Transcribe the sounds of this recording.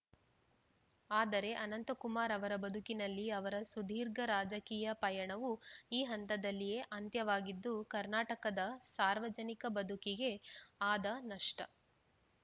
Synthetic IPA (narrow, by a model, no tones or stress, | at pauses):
aːd̪ɐɾe̞ʔɐnɐnt̪ɐkumaːɾɐʋɐɾɐbɐd̪ʱukinɐlːiɐʋɐɾɐsud̪ʱiːɾɡɐɾaːd͡ʒɐkiːjɐpɐjɐɳɐʋuiːɦɐnt̪ɐd̪ɐlːije̞ʔɐnt̪jɐʋaːɡid̪ːukɐɾnaːʈɐkɐd̪ɐsaːɾʋɐd͡ʒɐnikɐbɐd̪ʱukiɡe̞aːd̪ɐnɐʂʈɐ̰